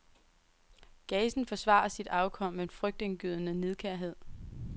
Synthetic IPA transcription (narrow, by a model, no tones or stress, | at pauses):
ɡ̥ɛːsn̩fɒ̽sʋɑ̰̈ɐsid̥ɑ̈ʊkʰɒ̽m̰e̝nfʁœɡ̥̚d̥enɡ̥yð̰ˠnəne̝ðˠkʰæɐ̰ɦe̝ð̰ˠ